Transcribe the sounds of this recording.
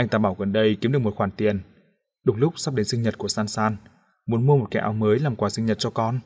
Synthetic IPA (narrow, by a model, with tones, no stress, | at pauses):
ʔa˧ŋ̟t̪aː˧˨ɓaː˧˩wɣə˨˩nɗə˧jki˨˦mɨ˨˩k̚mo˨˩t̚xwaː˧˩nt̪i˨˩ən | ɗʊ˨˩˦ŋ͡mlʊ˦˥k͡p̚saː˦˥p̚ɗe˨˦nsï˧ŋ̟ɲə˨˩t̚ku˧˩əsaː˧nsaː˧n | mu˨˦ənmu˧ə˧o˨˩t̚ka̰˧˩ʔaː˨˦wməː˨˦jlaː˨˩mkwaː˨˩sï˧ŋ̟ɲə˨˩t̚t͡ɕɔ˧kɔ˧n